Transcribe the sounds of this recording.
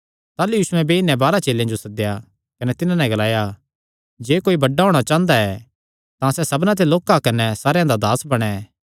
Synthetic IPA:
t̪aːlujuːsʊɛ̃beɪnːɛ̃baːɾat͡ʃeːlːjãd͡ʒosɐd̪ɪja | kɐnɛt̪ɪnãnɛ̃ɡɐlaːja | d͡ʒeːkoːibɐɖːaɦoːɽ̃at͡ʃãːnd̪aɛ | t̪ãsɛsɐbnãt̪̬eloːkakɐnɛsaːɾjãd̪ad̪aːsbɐɽ̃ɛ

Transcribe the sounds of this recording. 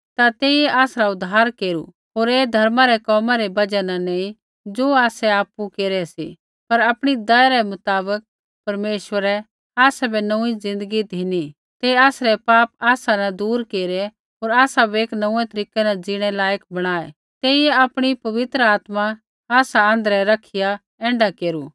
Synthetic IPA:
t̪at̪eːijɛʔaːsɾaʊd̪ʱːaːɾkeːɾṵ | ɦoːɾeːd̪ʱɐɾmaɾɛkɔːmãɾɛbɐd͡ʒɛnanẽːĩ | d͡ʒoːaːsɛaːpukeːɾɛsḭ | pɐɾaːpɽ̃id̪aːjaɾɛmʊt̪aːbək̚ | pɐɾmeːʃʋəɾɛ | aːsɛbʱɛnũid͡zɪ̃nd̪əɡid̪ʱɪni | t̪eaːsɾɛpaːp̚aːsanad̪uːɾkeːɾɛ | ɦoːɾaːsabeːknɐ̃ũɛ̃t̪ɐɾiːkɛnad͡zɪɽ̃ɛlaːjəkbɐɽ̃aːɛ | t̪eːijɛaːpɽ̃ipɐʋɪt̪ɾəaːt̪ma | aːsaə̃nd̪əɾɛɾɐkʰija | ɛ̃ːɳɖakeːɾuː

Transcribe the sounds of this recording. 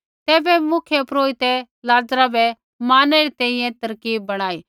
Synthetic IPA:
t̪ɛːbɛmʊkʰjepɾoːit̪ɛ | laːd͡ʒɾabɛ | maːnɛɾit̪ɛ̃ĩjɛ̃t̪ɐɾkiːbːɐɽ̃aːiː

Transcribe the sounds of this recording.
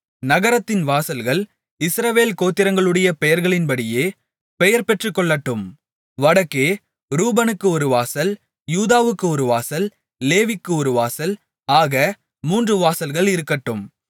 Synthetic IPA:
nɐɣɐɾɐt̪ːɪnʋaːsɐlɣɐɭ | ɪsɾɐʋeːlkoːt̪ːɪɾɐŋɡɐɭɯɽɐjɐpɛjɐɾɣɐɭɪnbɐɽɪjeː | pɛjɐɾpɛʈrɯkːɔɭːɐʈːɯm | ʋɐɽɐkːeː | ɾuːbɐnɯkːɯɔɾɯʋaːsɐl | juːðaːʋɯkːɯɔɾɯʋaːsɐl | leːʋɪkːɯɔɾɯʋaːsɐl | aːɣɐ | muːndrɯʋaːsɐlɣɐɭɪɾɯkːɐʈːɯm

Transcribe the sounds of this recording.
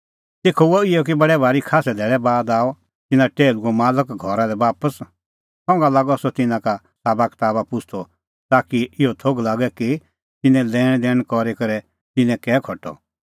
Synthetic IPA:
t̪eːkʰooɪɔk̬ibɐɽɛbʱaːɾikʰaːsɛd̪ʱɛːɭɛbaːd̪aːɔ | t̪ɪnãʈeːluɡɔmaːləkɡʱɔɾalɛbaːpəs | sɔ̃ːŋɡalaːɡɔsɔt̪ɪnãka | saːbakt̪aːbapʊt͡ʃʰt̪ʰɔ | t̪aːkiɪɦɔt̪ʰoɡlaːɡɛki | t̪ɪnɛ̃lɛːɽ̃d̪ɛːɽ̃kɔɾekɐɾɛ | t̪ɪnɛ̃kɛːkʰɔʈːɔ̰

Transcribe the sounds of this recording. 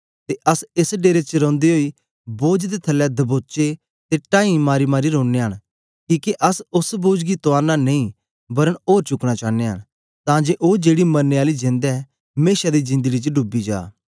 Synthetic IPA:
t̪eʔɐsɪsɖeːɾet͡ʃəɾõːnd̪iɦoi | boːd͡ʒd̪et̪ʰɐlːɛd̪ɐboːt͡ʃe | t̪eʈãːĩmaːɾimaːɾiɾõːnːeɦəɽ̃ | kiːkeʔɐsʊsboːd͡ʒɡit̪oaːɾnanɐĩ | bɐɾəɽoːɾt͡ʃʊkɽ̃at͡ʃaːnːeɦə̰ɽ̃ | t̪ãːd͡ʒeʔoːd͡ʒeːɽimɐɾneaːlid͡ʒẽnd̪ɛ | meːʃad̪izɪ̃nd̪əɡit͡ʃəɖʊbːid͡ʒa̰ː

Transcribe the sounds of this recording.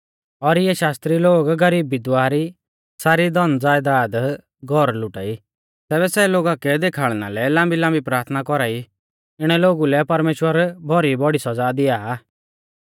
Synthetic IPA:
ɔɾɪjɛʃaːst̪ɾiloːɡɡɐɾiːbːɪd̪ʋaːɾi | saːɾid̪ɔnd͡zaːjd̪aːd̪ | ɡʱɔɾlʊʈa̰ːi | t̪ɛːβɛsɛloːɡakɛd̪eːkʰaːɭna̰lɛlãːmbilãːmbipɾaːɾt̪ʰnakɔɾaːi | ɪɽ̃ɛloːɡulɛpɐɾmeːʃwəɾbʱɔɾibɔɽisɔd͡zad̪ɪjaː

